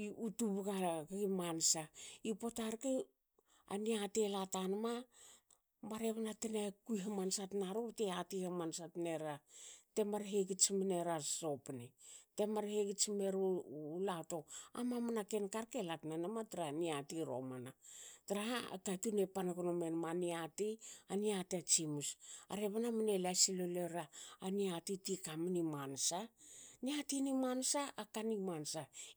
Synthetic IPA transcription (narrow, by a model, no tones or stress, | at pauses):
iutuβaɡaɡaɡimansaipotaɾke | a̰niatelatanama | maɾekonatenakujɦamansatnaɾoteatihamansatneɾate̞maɾɦeɡit͡ʃimineɾaso̞pnete̞maɾheɡit͡ʃime̞ɾulato̞a̰mamanakenkaɾkelatnanamatɾaniatiɾo̰manatɾaa̰katunepanaɡonome̞nmaniatianiatiat͡ʃimusa̰ɾeβanamanelasiloleɾaːniatitikamanimansaniatinimansaʔakanimansa